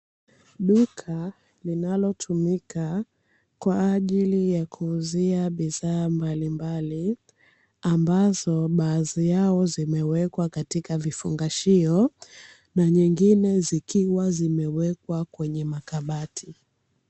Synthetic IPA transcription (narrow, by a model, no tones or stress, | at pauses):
ɗukʰa | linalɔtʰumika | kwaːʄilijakʰuːziaɓiðaːmbalimbali | ambazɔɓazijaɔzimɛwɛkwakatikavifṵŋɡaʃiɔ | naɲiŋɡinɛzikiwazimɛwɛkwakwɛɲɛmakaɓatʰi